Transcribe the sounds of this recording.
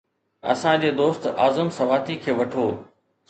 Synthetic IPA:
ɐ̰sãd͡ʑeːd̪oːst̪aːzəmsɐʋaːt̪ikʰeːʋɐʈʰoː

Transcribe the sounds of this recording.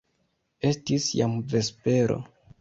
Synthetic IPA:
e̞stisjamve̞spe̞ɾo̞̰

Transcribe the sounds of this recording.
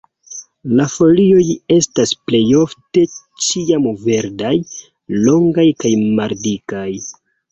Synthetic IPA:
lafo̞lio̞je̞stasple̞jo̞fte̞ | t͡ʃiamve̞ɾdaj | lo̞ŋɡajkajmaldikaj

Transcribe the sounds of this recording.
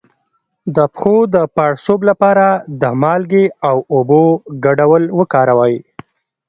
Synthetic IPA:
d̪əpxod̪əpaɽsoblapɑɾad̪əmɑlɡeawoboɡaɖawəlwəkɑɾawəj

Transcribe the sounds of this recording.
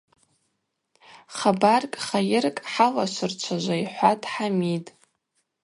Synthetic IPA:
χabarkʼχajɪrkʼħalaʃʷʊrt͡ʃʷʰaʒʷaiħʷatʼħamitʼ

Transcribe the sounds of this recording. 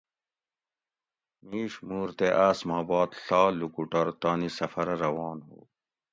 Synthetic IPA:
miːʂmuːɾt̪eʔaːsmaːbɑːt̪ɬɑːlukuʈɐɾt̪aːnisɐfɐɾɐɾɐwɑːnɦo̰ː

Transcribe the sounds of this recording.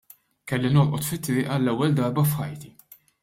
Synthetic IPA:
kɛlːinɔlʔɔt̪fɪt̪ːɾɪːʔɐlːɛwːɛld̪ɐɾbɐfxɐjt̪i

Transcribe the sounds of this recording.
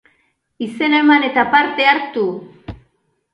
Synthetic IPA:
ise̞naemane̞t̪apaɾt̪e̞aɾt̪u

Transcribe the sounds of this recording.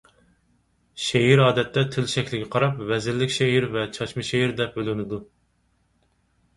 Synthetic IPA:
ʃeɦiɾɑːd̪ɛt̪ʰːɛt̪ʰɪlʃɛkʲlɪɡʲɛqʰɑɾɑpvɛzɪlːɪkʲʃeɦiɾvɛt͡ʃʰɑt͡ʃmɨʃeɦiɾd̪ɛp̚bølɪnɪd̪u

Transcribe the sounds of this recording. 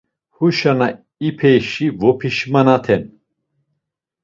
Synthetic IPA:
huʃana | ipʰɛjʃivɔpʰiʃmanat̪ʰɛn

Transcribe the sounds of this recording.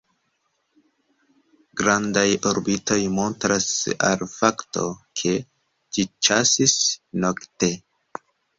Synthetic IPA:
ɡɾandajoɾbito̞jmo̞ntɾasa̰lfakto̞̰kʰe̞ | d͡ʒit͡ʃasisno̞kte̞

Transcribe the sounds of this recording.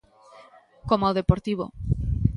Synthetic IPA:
komaðepoɾt̪iβo̰

